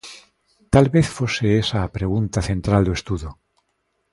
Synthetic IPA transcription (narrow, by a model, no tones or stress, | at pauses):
t̪alβeθfoseesapɾeɣ̞unt̪aθẽnt̪ɾald̪oest̪uðu